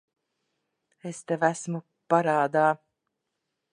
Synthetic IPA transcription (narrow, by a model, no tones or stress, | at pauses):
est̪ɛvæsmu | paɾaːd̪aː